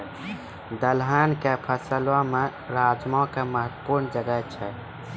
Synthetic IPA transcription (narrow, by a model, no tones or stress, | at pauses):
d̪əlɦankepʰəsəlwãme | ɾad͡ʒmãkeməɦət̪puɾnd͡ʒəɡət͡ʃʰɛ